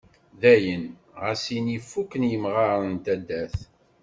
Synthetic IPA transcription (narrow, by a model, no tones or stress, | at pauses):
ðæjən | ʁæsinifːukːənjəmʁɑɾˤənt̪æd̪ːæθ